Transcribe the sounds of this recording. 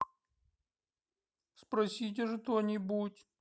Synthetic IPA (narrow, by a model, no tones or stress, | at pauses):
spɾɐsʲit̬ʲɪʐɨt̪onʲɪbutʲ